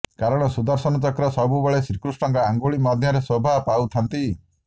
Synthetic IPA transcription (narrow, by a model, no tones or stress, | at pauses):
kaɾɔɽ̃ɔsud̪aɾsɔnɔt̪ɔkɾɔsɔbubeɭesɾikɾusʈɔŋkɔaŋɡuɭimɔd̪ʱjɔɾesobʱapaut̪ʰant̪i